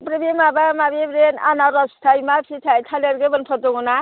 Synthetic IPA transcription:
pɾebemabamabebɾena̰naɾɔst̪ʰajmasʰit̪ʰajt̪ʰaleɾɡebʌnpʰɔt̪oɡuna

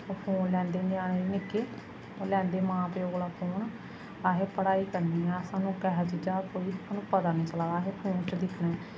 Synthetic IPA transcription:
opʰoːnlɛ̃ːnd̪eːnɪaːɽ̃einɪkeː | lɛ̃ːnd̪eːmãːpeːoːɡɽaːpʰoːn | aːɦeːpəɽaːiːkəɾniːɦɛ̃əsãːnũːkɛɦd͡ʒid͡ʒaːkoːiːsaːnũːpəd̪aːnĩːt͡ʃəlaːaːɦeːpʰoːnt͡ʃd̪ɪkʰnaː

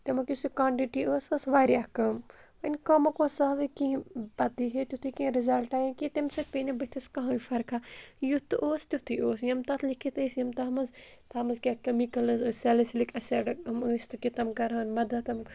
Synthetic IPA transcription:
t̪ɐmɐkʲjusikaːɳʈiʈiʔoːsɐsʋaːɾjaːkɐmpɐnʲkɐmɐkoːsɐd̪ɨkĩbɐd̪iɦet̪ʲut̪ʰɨkĩɾizɐlʈaːjĩkit̪emsɨpinɐbɐt̪ʰɐskɐɦãʋifɐɾkʰajut̪ɨʔoːst̪ʲut̪ʰɨjoːsjɐmt̪ɐt̪ʰlikʰit̪ɐsjɐmt̪ɐɦmɐz | t̪ɐmɐzkʲakɐmikɐlzsɐlislikʰɐsɐɖɐkɐmɨsʲt̪ɨkʲit̪ɐmkɐɾaːnmɐd̪ɐt̪ɐm

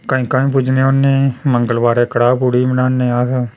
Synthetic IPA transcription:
kaĩːkaːĩːpʊd͡ʒnẽːonːeːməŋɡəlʋaːɾeːkəɽaːpuɽiːmənaːnːeːəs

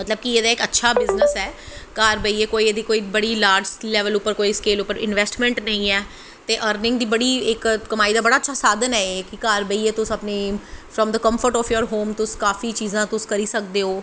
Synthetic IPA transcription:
mət̪ləbkieːd̪aːɪkətːʃʰaːbɪznəsɛːkaːɾbəiːeːkoːiːeːd̪iːkoːiːbəɽiːlaːɾd͡ʒlɛːʋəlʊpːəɾkoːiːskeːlʊpːəɾɪnʋɛːsʈmɛ̃ɳʈnəĩːɛː | t̪eːʔəːɾnɪŋɡ̚d̪iːbəɽiːɪkkəmaːiːd̪aːbəɽaːətːʃʰaːsaːd̪ənɛːeːkɪkaːɾbəiːeːt̪ʊsəpneːfʰɾɔːmd̪əkə̃mpʰəɾʈɔːfʰjoːɾɦoːmt̪ʊskaːfiːt͡ʃiːzãːt̪ʊskəɾiːsək̚d̪eːoː

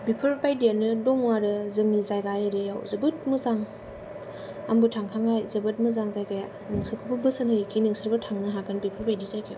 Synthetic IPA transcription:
bipʰɯɾpajdijanɯdɔŋwaɾɯzɯmnizajɡajaɾejawzɐbɯt̚muzaŋ | a̰mbutʰaŋkʰaŋajzɐbɯt̚muzaŋzajɡaja | nɯŋsɯkʰɯbɯbɯsɯnhɯjkʰinɯŋsɯɾbɯtʰaŋnɯɦakanbipʰɯɾpajdizajkʰia̰w

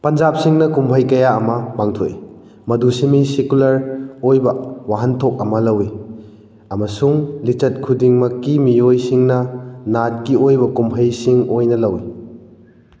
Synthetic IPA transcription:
pɐnd͡ʒap̚siŋnɐkumpʰɐjkɐjaɐmɐpaŋtʰoḭ | mɐdusimisikulɐɾojbɐwaɦɐntʰok̚ɐmɐlɐwi | ɐmɐsuŋlit͡ʃɐt̚kʰudiŋmɐkːimijojsiŋnɐnat̚ɡiojbɐkumpʰɐjsiŋojnɐlɐwi

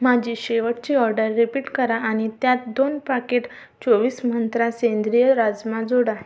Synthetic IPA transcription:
mad͡ʑʱiɕeʋəʈ̚t͡ɕiːɔɾɖəɾːipiːʈkəɾaaɽ̃it̪jat̪̚d̪onpakeʈ | t͡soʋiːsm̤ənt̪ɾasend̪ɾijəɾad͡zmad͡zoɽa

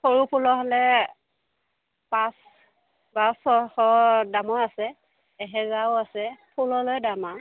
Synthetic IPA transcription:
xoɹupʰulɔɦɔlɛ | pas | basɔxɔdamɔasɛː | ɦɛzawasɛpʰulɔlojdama

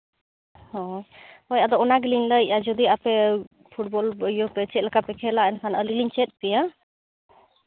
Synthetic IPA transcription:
hɔjɔjad̪ɔɔnaɡliɲləjad͡ʒɔd̪iapɛ | pʰuʈ̚bɔləjɔpɛt͡ʃɛt̪̚lakapɛkʰɛlaɛnkʰanəliliɲt͡ʃɛt̪̚ˀpɛja

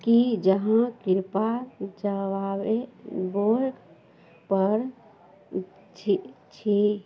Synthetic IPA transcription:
kid͡ʒəɦãkɪɾpad͡ʒəʋaweboɾɡ | pəɾ | it͡ʃʰi

